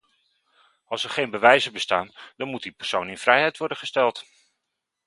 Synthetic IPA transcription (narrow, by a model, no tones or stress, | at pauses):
ɑlˠsɛɹχejnbəʋɛjzəbəstaːnd̥ɑnmut̚dipəɹsownɪnvrɛjɦɛjtʋɔɹdənχəstɛlˠt